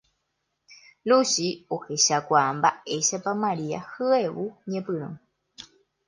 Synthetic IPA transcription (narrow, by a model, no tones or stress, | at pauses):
lusiohe̞ʃakʷaʔambaʔe̞ʃapamãɾia̰hɨewuɲẽpɨɾ̃ṵ̃